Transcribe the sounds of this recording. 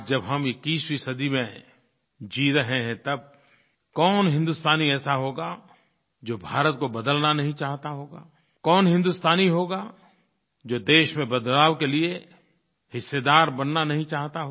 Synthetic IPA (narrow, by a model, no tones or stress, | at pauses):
d͡ʒɐbɦɐmɪkːiːswisəd̪imẽ | d͡ʒiːɾɐɦeɦɛ̃t̪ɐb̚ | kɔːnɦɪ̃nd̪ʊst̪ʰaːniɛːsaɦoːɡa | d͡ʒoːbʱaːɾət̪̚kobɐd̪əlnanɐɦĩt͡ʃaːɦt̪aɦoːɡa̰ː | kɔːnɦɪ̃nd̪ust̪ʰaːniɦoːɡa | d͡ʒoːd̪eːʃmẽbɐd̪laːʋkelie | hɪsːed̪aːɾbɐnːanɐɦĩt͡ʃaːɦt̪aɦo